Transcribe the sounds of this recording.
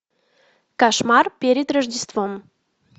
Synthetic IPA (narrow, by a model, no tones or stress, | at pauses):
kɑʃmɑrpʲeɾʲɪd̪rəʒdʲɪst̪vom